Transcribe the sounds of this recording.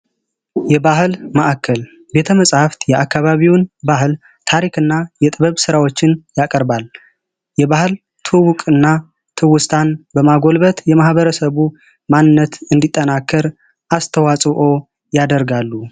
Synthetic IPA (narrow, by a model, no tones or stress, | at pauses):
jɛbaɦɨlməʔakʰːəl | be̞t̪ʰəməsʼhaft̪jɛʔakːaβaβiwnbahl | t̪ʰaɾikɨnːajɛt̪ʼɨβəβsɨɾawo̞t͡ʃːɪnjakʼəɾbal | jɛβahɨl | t̪ʰuwʊkʼɨnːa | t̪ʰɨwʊst̪ʰanbəmaɡo̞lbət̪jɛmahβəɾəsəβu | manɨnːət̪ɨnd̪it̪ʼːənakʰːəɾ | ʔast̪ʰəwasʼʔo̞ | jad̪əɾɡalːu